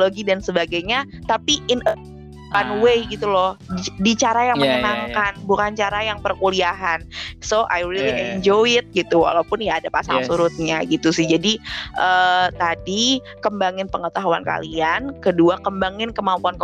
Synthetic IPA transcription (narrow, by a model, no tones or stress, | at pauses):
loɡidansəbaɡajɲat̪apiʔɪnə | panwejɡit̪ulɔhdit͡ʃaɾajaŋməɲənaŋkanbukant͡ʃaɾajaŋpərkuliaɦansoʔajɾiliaɛɲd͡ʒɔjɪt̪̚ɡit̪uwa̰lawpʊnjaːdapasa̰ŋsuɾʊt̪̚ɲaɡit̪usɪhd͡ʒadiʔət̪adi | kəmbaŋɪnpəŋət̪aɦuanka̰liankəduakəmbaŋɪnkəmampuank